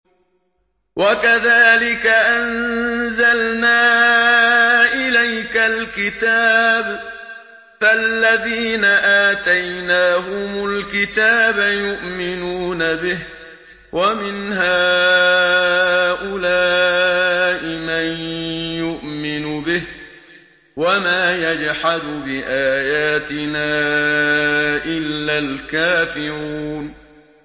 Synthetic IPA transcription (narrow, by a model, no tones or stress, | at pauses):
wʔakaðaːlɪkaʔanzalnaː | ʔɪlajkalkɪt̪aːb | falːaðiːnaʔaːt̪ajnaːɦʊmʊlkɪt̪aːbajʊʔmɪnuːnabɪh | wʔamɪnɦaː | ʔʊlaː | ʔɪmanjʊʔmɪnʊbɪh | wamaːjad͡ʒħad̪ʊbɪʔaːjaːt̪ɪnaː | ʔɪlːalkaːfɪɾuːn